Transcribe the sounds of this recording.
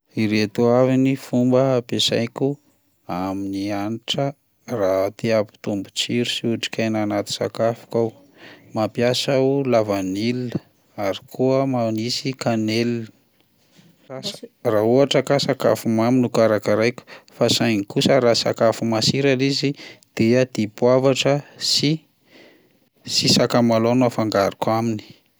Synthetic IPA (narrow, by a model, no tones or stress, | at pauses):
iɾet̪uavinifumbəpesa̰jkʲu | aminianiʈ͡ʂə | rat̪iapi̥t̪umbut͡siɾusiuʈ͡ʂi̥kʰʲajnanat̪i̥sa̰kafu̥kaw | mapjasaulavanilinə | aɾikʰuəmanisikanel | rauaʈ͡ʂəkasaka̰fumaminukaɾakaɾajku̥fasajŋikusəɾaːsa̰kafumasiɾalizid̪̥ead̪̥ipwavaʈ͡ʂəsi | sisakamalonafaŋɡaɾikamini̥